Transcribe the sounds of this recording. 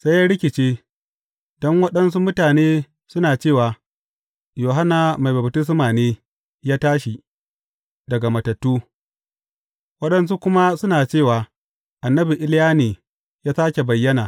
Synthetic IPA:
sa˦jaː˦ɽɪ˦kʲɪ˨t͡ʃeː˦ | dɔ˦ŋwɐ˦ɗɐ˦ns̬u˦mʊ˦taː˨neː˦ | sʊ˦naː˨t͡ʃeː˦˨waː˨ | joː˨ɦa˦na˨ma˨jbɐ˨btɪ˦s̬maː˨neː˦ | jaː˦taː˦ʃi˨ | dɐ˨ɡa˨mɐ˨tɐ˨tːuː˦ | wɐ˦ɗɐ˦ns̬u˦kʷʊ˦ma˦sʊ˦naː˨t͡ʃeː˦˨waː˨ | ʔa˨nːɐ˦bi˨ʔɪ˦lɪ˦jaː˦neː˨ | jaː˦saː˦kʲe˨bɐ˨jːɐ˦naː˨

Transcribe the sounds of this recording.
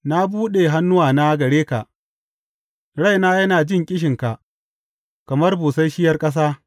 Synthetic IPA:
na˦buː˦ɗe˨ɦa˦nːʊ˦waː˨na˦ɡɐ˨ɽeː˦ka̰˨ʔ | ɽa˦jnaː˦jɐ˦naː˨d͡ʒɪ˦ŋkʲʼɪ˦ʃ̬ɪ˨ŋka˨ʔ | kɐ˨mɐ˦rbuː˨sa˦jʃɪ˦jɐ˦rkʼɐ˦s̬aː˦

